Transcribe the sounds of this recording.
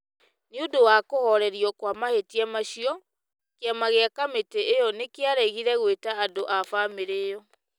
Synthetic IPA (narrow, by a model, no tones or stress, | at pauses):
neodowakohɔɾɛɾiɔkwamahetiɛmaɕiɔ | keamaɣeakameteejɔnekeaɾɛɣiɾɛɣwetaːdoʔafameɾejɔ